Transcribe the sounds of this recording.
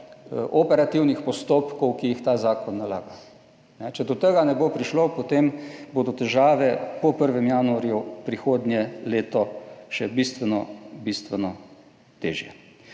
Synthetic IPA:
ʔɔpɛɾat̪iwnixpɔst̪oːpkɔwkijixt̪aːzaːkɔnːala̰ːɡa | nɛt͡ʃɛd̪ɔt̪əɡanɛbopɾiʃlopot̪emboːd̪ɔt̪ɛʒaːʋɛpɔpəɾʋɛmjaːnuaɾjupɾixoːd̪njɛleːt̪ɔʃɛbist̪ʋɛnɔbist̪ʋɛnɔ | t̪ḛːʒjɛ̰

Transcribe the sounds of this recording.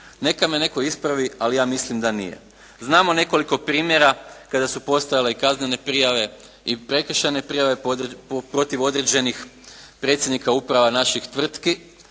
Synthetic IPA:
ne̞kamene̞koispɾaʋialijaːmislimd̪anḭjḛ | znaːmo̞ne̞ko̞liko̞pɾiːmje̞ɾakad̪asupo̞st̪ajale̞ikaznene̞pɾijaʋe̞ | ipɾe̞kr̩ʃane̞pɾijaʋe̞pɾo̞t̪iʋo̞d̪ɾe̞d͡ʑe̞nixpɾet̪sʲjed̪nikaupɾaʋanaʃixt̪ʋr̩t̪ki

